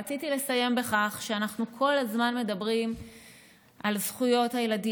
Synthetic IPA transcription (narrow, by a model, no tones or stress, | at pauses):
at͡sitile̞saje̞mbe̞χaχʃeanaχnukʰo̞lazmanme̞dabʁim | ʔalzχujo̞thajeladi